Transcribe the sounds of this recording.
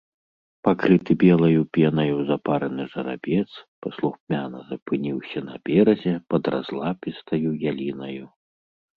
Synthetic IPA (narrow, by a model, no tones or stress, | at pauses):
pakɾɨt̪ɨbʲɛlˠɐjupʲɛnɐjuzapaɾɐnɨʐɐɾa̰bʲɛt̪spɐslˠuxmʲanɐ̰zɐpɨnʲiwsʲɐnɐ̰bʲɛɾɐzʲɛpɐd̪ɾa̰zlˠapʲist̪ɐjujalʲinɐju